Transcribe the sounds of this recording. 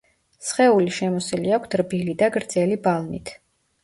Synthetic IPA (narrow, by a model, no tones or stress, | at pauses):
sχɛuliʃɛmɔsiliakʷʰt̪ʰɾbilid̪aɡɾd̪zɛlibalˠnit̪ʰ